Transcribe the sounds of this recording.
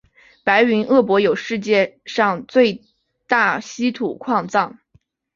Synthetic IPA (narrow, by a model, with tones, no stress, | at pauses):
pa˧˥ɪy˧˥nʔɤ˥˩pwɔ˧˥jo˨˩ʊʂɻ̩˥˧t͡ɕjɛ˥˧ʂɑ˥˧ŋt͡swe˥˧ɪ | t̪a˥˩ɕi˥t̪ʰṵ˨˩kʰwɑ˥˧ŋt͡sɑ˥˩ŋ